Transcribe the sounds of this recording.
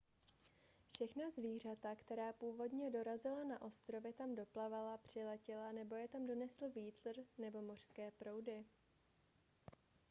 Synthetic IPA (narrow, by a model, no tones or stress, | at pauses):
fʃɛxnazviːr̝at̪akt̪ɛɾaːpuːvo̞dɲɛdo̞ɾazɪlanaʔo̞st̪ɾo̞vjɛt̪amdo̞plavalapr̝̥ɪlɛcɪlanɛbo̞jɛt̪amdo̞nɛsl̩viːt̪lrnɛbo̞mo̞r̝̥skɛːpɾo̞wdɪ